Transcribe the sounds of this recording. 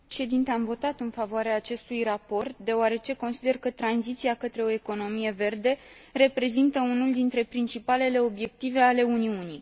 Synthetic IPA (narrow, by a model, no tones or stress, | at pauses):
ʃe̞d̪int̪eamvo̞t̪at̪ɨnfavoaɾeaːt͡ʃe̞st̪ujrapo̞rt̪̚d̪e̞oaɾe̞t͡ʃe̞ko̞nsid̪e̞rkət̪ɾanzit̪siakət̪ɾe̞o̞e̞ko̞no̞mije̞ve̞rd̪e̞ | re̞pɾe̞zint̪əunuld̪int̪ɾe̞pɾint͡ʃipale̞le̞o̞bje̞k̚t̪ive̞ale̞uniuni